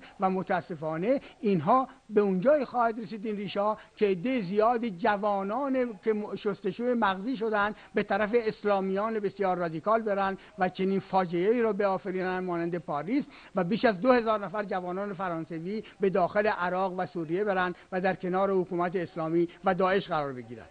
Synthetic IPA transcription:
væmot̪ʰæːsːe̞fɒːne̞inɦɒːbe̞und͡ʒɒːixɒːhæd̪ɾesiːd̪inriːʃhɒːcʰeːd̪ːejezijɒːd̪id͡ʒævɒːnɒːnekʰeʃost̪e̞ʃuemæɣziːʃ̬o̞d̪ænd̪be̞t̪ʰæɾæfe̞ːslɒːmijɒːnebe̞sjɒːɾːɒd̪ikʰɒːlbe̞ɾænd̪ | væt͡ʃʰe̞niːnfɒːd͡ʒejeiːɾɒːbeɒːfeɾiːnænd̪mɒːnænd̪e̞pʰɒːɾiːz | væbiːʃæzd̪o̞he̞zɒːɾnæfæɾd͡ʒævɒːnɒːne̞fæɾɒːnseviːbe̞d̪ɒːxe̞le̞ʔæɾɒːɣvæsuːɾije̞be̞ɾænd̪væd̪æɾkʰe̞nɒːɾe̞hokuːmæt̪eːslɒːmiːvæd̪ɒːe̞ʃʁæɾɒːɾbe̞ɟiːɾæ̰nd̪̥

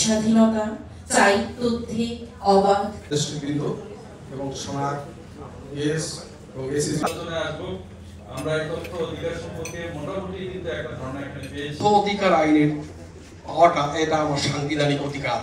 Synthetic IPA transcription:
ʃad̪ʱinɔt̪a | t͡ʃajtod̪ʱːiɔbʱaesʈiɡɾid̪ʱo | eboŋʃɔnad̪ | es | oesisd͡ʑoneaʃbu | a̰mɾaɛkɔt̪ːood̪ʱikaɾʃɔmpoɾk̪emɔʈabuʈikint̪eɛk̚ʈad̪ʱɔɾnaɛkʰalibeood̪ʱikaɾajneɾ | ɔʈaʔeʈaamaɾʃaŋɡid̪ʱanikod̪ʱikaɾa

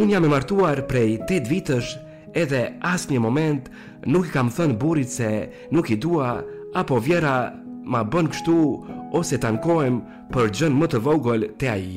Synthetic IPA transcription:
unjamɛmaɾt̪uaɾpɾɛjt̪ɛt̪vit̪əʃ | ɛðɛasɲəmɔmɛnt̪ | nukikamθənbuɾit̪sɛ | nukid̪ua | apɔvjɛɾamabənkʃt̪uɔsɛt̪ankɔjm | pəɾd͡ʒənmət̪əvɔɡɔlt̪ɛai

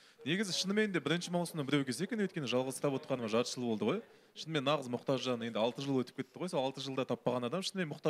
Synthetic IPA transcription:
ne̞ɡʲɪzɪʃənəme̞nd̪ebɪɾɪnʃɪmɑlˠsəmɑbɪɾewkʲʰe̞s̬e̞kʲe̞nwɵt̪kʲe̞nɪʒɑlˠʁəzsɾɑpwo̞t̪qɑnəmɑʒɑɾʃəlˠbo̞lˠd̪əʁo̞j | ʃənəme̞nːɑʁəzmʊqt̪ɑʒʒɑnəje̞nd̪ɪɑlˠt̪əʒəlˠwɵt̪ɪp̚kʰʲe̞t̪ːɪʁojso̞lˠɑlˠt̪əʒəlˠd̪ɑt̪ʰɑpːɑʁɑnɑd̪ɑmʃənəmenmʊqt̪ɑ

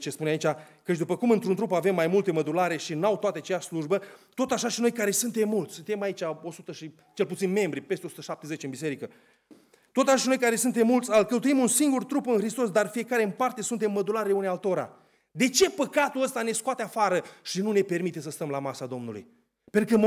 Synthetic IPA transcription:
t͡ʃe̞spuneait͡ʃʲa | kət͡ʃʲd̪upəkumɨnt̪ɾunt̪ɾupave̞mːajmult̪eməd̪ulaɾe̞ʃinawt̪oat̪eat͡ʃejaʃʲsluʒbət̪o̞t̪aʃaʃino̞jkaɾe̞sunt̪e̞mːult̪sʲsunt̪e̞mait͡ʃʲao̞sut̪əʃi | t͡ʃe̞lput̪sinme̞mbɾipest̪eo̞su̥t̪əʃap̚t̪e̞ze̞t͡ʃeɨnbis̬e̞ɾikə | t̪o̞t̪aʃaʃino̞jkaɾe̞sunt̪e̞mːult̪sʲalkəwt̪̬uimunsiŋɡurt̪ɾupɨnxɾist̪o̞sd̪arfije̞kaɾeɨnpart̪e̞sunt̪e̞mːəd̪ulaɾeeunealt̪oɾa̰ | d̪e̞t͡ʃe̞pəkat̪uəst̪ane̞skoat̪eafaɾəʃinune̞pe̞rmit̪esəst̪əmlamasad̪o̞mnulṵj | pet̪ukəm

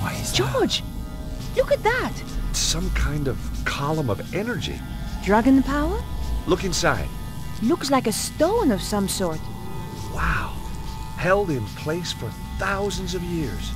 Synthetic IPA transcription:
waɪ̥d͡ʒ̥ɔɹd͡ʒ | lʊkɨt̪̚ðæt | sʌ̃mkʰãɪ̃ndʌv̥kʰɑlˠə̃mʌvɛnə˞d͡ʒḭ | dɹʌɡɨ̃npʰaʊə˞lʊkɨ̃nsaɪd̥̚ | lʊkslaɪkɨstõʊ̃nʌv̥sʌ̃msɔɹt̚ | waʊ | hɛlˠdɪ̃npʰl̥eɪsfə˞ | θaʊzɨ̃n̩zʌvjɪɹz̥

